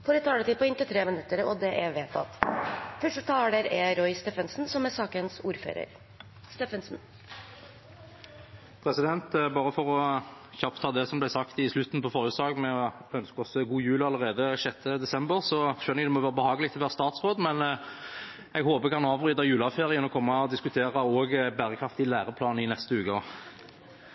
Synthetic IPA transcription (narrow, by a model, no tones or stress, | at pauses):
fɔɾɛt̪ʰɑːɖɛt̪ɪlpɔɪnt̪ət̪ʰɾeːmɪnʉt̪ːəɾɔ̰d̪ɛʔɛʋeːt̪ɑ̰t̪fœʂʈət̪ʰɑːlɖɛɾɛɾɔʏst̪eːfənsn̩sɔmɛsɑːkənsuːɾfø̰ːɾə̰ɾ | st̪ɛfənsn̩ | pʰɾɛsɪd̪ɛnt̪bɑːʁəfɔʁɔ | çɑpt̪ʰːɑːd̪ɛsɔmblæɪsɑkt̪ɪslʉt̪n̩pɔfɔʁʉːt̪sɑːɡmɛɔœnskɔsɡuːjʉːləɑlːəʁeːd̪əʃɛt̪ʰːəd̪ɛsɛmbəʁsɔʃœnːɪd̪ɛmɔʋæːʁəbəhɑːɡəlɪɡt̪ʰlʋæːʁəst̪ɑːt̪sʁoːd̪mɛn | ɛɡhoːbəkʰɑnɑːʋʁyːd̪ɑjʉːlɑfeːʁɪənɔkʰɔmːɑɔd̪ɪskʉt̪ʰeːʁɑoːɡbæːʁəkʰʁɑft̪ɪlæːʁəpʰlɑːnɪnɛst̪əʉːkɔ